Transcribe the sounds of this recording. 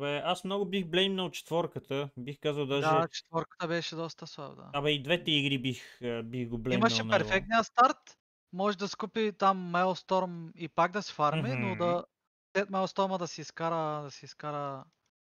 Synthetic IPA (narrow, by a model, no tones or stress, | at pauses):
bɛʔasmnɔɡʊbixblɛmnəlt͡ʃɛ̥t̪vɔɾkət̪əbixkazəlˠd̪aʒd̪aɛt͡ʃɛ̥t̪vɔɾkə̥t̪əbɛʃɛd̪ɔst̪əslˠab̰d̪a̰amɐid̪vɛt̪ɛiɡɾibixbixɡoblɛimɐʃʃɛnpɛɾffɛk̚t̪iəst̪aɾt̪ | mɔʒɛd̪ɐskupit̪amːɛlˠst̪ɔɾmipaɡ̚d̪ɐsfaɾmɛnod̪ɐ | sɛt̪mɛlˠst̪ɔɾməd̪ɐsiiskaɾəd̪ɐsiiskaɾə